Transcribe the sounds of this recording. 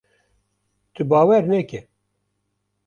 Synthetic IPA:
t̪ʰɨbɑːwɛɾnɛkɛ

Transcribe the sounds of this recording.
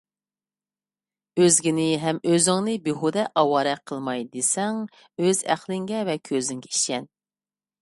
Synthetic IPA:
øzɡʲinɪɦɛmøzɪŋnɨbeɦud̪ɛʔɑwɑːɾɛqʰəlˠmɑjd̪esɛŋ | øzæ̰χlˠɪŋɡʲɛvɛkʲʰøzɪŋɡʲɛiʃɛn

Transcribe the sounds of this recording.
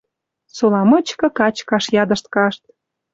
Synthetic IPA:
solɑmɤ̆t͡ɕkɤ̆kɑt͡ɕkɑʃjɑd̪ə̆ʃt̪̚kɑʃt̪̚

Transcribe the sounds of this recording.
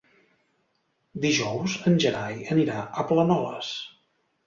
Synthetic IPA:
d̪iʒɔwzənʲʒəɾajəniɾaʔəplənɔləs

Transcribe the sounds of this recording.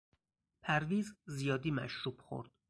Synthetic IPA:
pʰæɾviːzzijɒːd̪iːmæ̰ʃɾuːbxo̰ɾd̪̥

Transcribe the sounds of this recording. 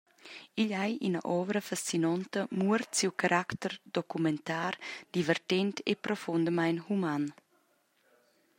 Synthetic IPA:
iʎajʔinəʔɔvəɾəfast͡sinɔnt̪əmuəɾtsiwkaɾʔakt̪ərd̪ɔkumɛnt̪aːrd̪̥ivɛrt̪ɛnt̪ʰḛpɾɔfund̪əmajnhuman

